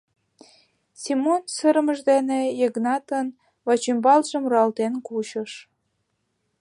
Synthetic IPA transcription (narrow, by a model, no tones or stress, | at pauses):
simonsəɾəməʒd̪enejeɡnɑt̪ən | βɑt͡ɕymbɑlʒəmrɑlt̪enkut͡ɕə̆ʃ